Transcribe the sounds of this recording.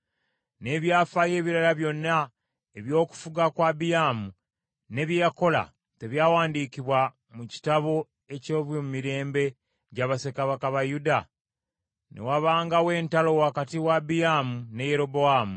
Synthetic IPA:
ne̞βjaːfaje̞ːβiɾalaβjo̞nːa | e̞βjo̞ːku̥fuɡakwaːbijaːmu | ne̞βjako̞la̰ | te̞βjaːwaːndiːkiβwa | muci̥taβo̞ | e̞coːβwomumiɾe̞ːmbe̞ | ɟaβase̞kaβakaβajuda | nʔḛwaβaːŋɡawe̞ːntalo̞wakatiwabijaːmune̞je̞ɾo̞bo̞aːmu

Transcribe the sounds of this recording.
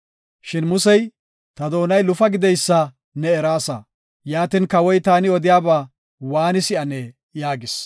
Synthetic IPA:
ʃɪnmʊsɛj | t̪ɐd̪o̞ːnɐjlʊfɐɡɪd̪ɛjsːɐ | nɛːɾaːsɐ | jaːt̪ɪnkɐwɔjt̪aːnɪɔd̪ɪjaːbaː | waːnɪsɪʔɐnɛ | jaːɡɪs

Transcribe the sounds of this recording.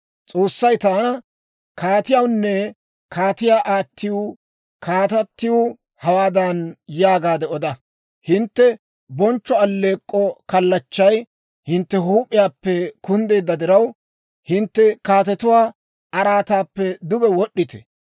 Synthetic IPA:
t͡sʼo̞ːsːɐjt̪aːnɐ | kaːt̪ɪjɐwnːɛ | kʰaːt̪ɪjaːʔaːt̪ːɪju | kʰaːt̪ɐt̪ːɪju | hɐwaːd̪ɐnjaːɡaːd̪ɛɔd̪ɐ | hɪnt̪ːɛ | bɔnt͡ʃːɔɐlːe̞ːkʼːɔkɐlːɐt͡ʃːɐj | hɪnt̪ːɛɦuːpʼɪjaːpːɛkʊnd̪e̞ːd̪ːɐd̪ɪɾɐw | hɪnt̪ːɛkaːt̪ɛt̪ʊwaː | ɐɾaːt̪aːpːɛd̪ʊɡɛwɔɗːɪt̪ɛ̥

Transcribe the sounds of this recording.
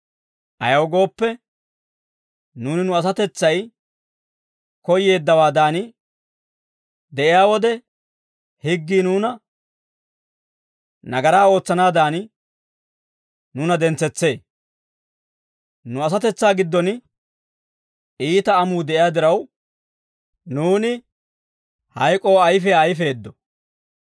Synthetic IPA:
ɐ̰jɐwɡo̞ːpːɛ | nuːnɪnʊɐs̬ɐt̪ɛt͡sːɐj | kɔje̞ːd̪ːɐwaːd̪aːnɪ | d̪ɛʔɪjaːwɔd̪ɛ | hɪɡːiːnuːnɐ | nɐɡɐɾaːo̞ːt͡sːɐnaːd̪aːnɪ | nʊnɐd̪ɛnt͡sːɛt͡sːe̞ː | nʊɐs̬ɐt̪ɛt͡sːaːɡɪd̪ːɔn | iːt̪ɐːmuːd̪ɛʔɪjaːd̪ɪɾɐw | nuːnɪ | hɐjkʼo̞ːɐjfɛɐjfe̞ːd̪ːɔ

